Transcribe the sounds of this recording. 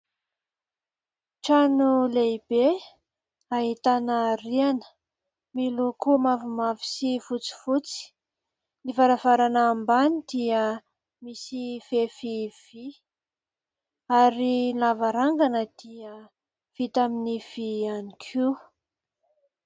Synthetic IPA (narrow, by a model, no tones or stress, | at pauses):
ʈ͡ʂanuleibe | aɦit̪anərianə̥ | milukumavumavi̥sivut͡si̥vut͡si̥ | nivaɾavaɾanaːmbanid̪̥iə | misifefiv̥i | aɾilavaɾaŋɡanəd̪̥iə | v̥it̪aminiv̥ianikʰu